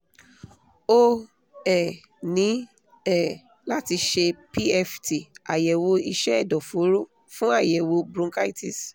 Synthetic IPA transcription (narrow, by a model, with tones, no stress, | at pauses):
o˦ | ɛ˦˨ | nĩ˨˦ | ɛ˦˨ | la˦ti˧ʃe˧pi˦ɛ˧fti˨a˨jɛ˨wo˧i˧ʃɛ˦ɛ˦˨dɔ˨fo˨˦ɾo˦˨ | fũ˦a˦˨jɛ˨wo˧bɾũ˧˦ka˦i˦ti˨s